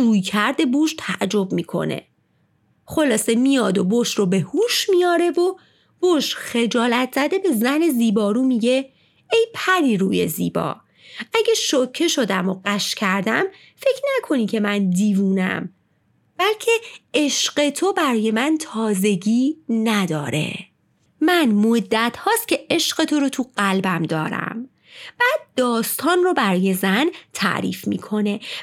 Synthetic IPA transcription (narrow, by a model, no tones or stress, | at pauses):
uːjcʰæɾd̪e̞buːʃt̪ʰæʔd͡ʒo̞bmiːkʰo̞̰nḛ | χo̞lɒːse̞mijɒːd̪o̞boʃro̞be̞huːʃmijɒːɾe̞vo | b̥oʃxe̞d͡ʒɒːlæt̪ʰz̥æd̪e̞be̞zæne̞ziːbɒːɾuːmiɟe̞ | ejpʰæɾiːɾuːje̞̰zḭːbɒ̰ː | æɟeʃocʰːe̞ʃo̞d̪æmo̞ɢæʃcʰæɾd̪æm | fe̞cʰnækʰo̞niːcʰe̞mænd̪iːvuːnæ̰m | b̥ælcʰe̞eʃɢe̞t̪ʰo̞bæɾɒɔːje̞mænt̪ʰɒːze̞ɟiːnæd̪ɒːɾe̞̰ | mænmod̪ːæt̪hɒːst̪̚cʰe̞ʔeʃɢe̞t̪ʰoɾot̪ʰuɢælbæmd̪ɒ̰ːɾæ̰m | b̥æːd̪̚ːɒːst̪ʰɒːnrobæɾɒːje̞zænt̪ʰæ̰ʔɾḭːfmḭːkʰo̞ne̞